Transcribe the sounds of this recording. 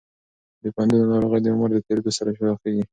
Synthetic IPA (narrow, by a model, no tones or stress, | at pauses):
d̪əpɑnd̪unonɑɾoɣəjd̪əʊmaɾd̪ət̪eɾiɡosaɾaʃɾɑxkaɡi